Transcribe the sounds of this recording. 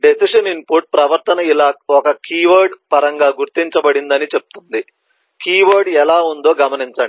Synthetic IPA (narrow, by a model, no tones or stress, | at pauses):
ɖesiʂɐnimpuːɾʈ̚pɾɐʋɐɾt̪ɐnɐilaːɔkɐkiːʋɐɾɖpɐɾɐŋɡaːɡuɾt̪iɲt͡ʃɐbɐɽind̪ɐnit͡ʃep̚u̥t̪und̪i | kiːʋɐɾɖɛlaːund̪o̞ːɡɐmɐniɲt͡ʃaːɳi